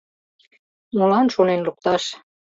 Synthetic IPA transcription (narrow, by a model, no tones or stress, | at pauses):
mulɑnʃonenluk̚t̪ɑʃ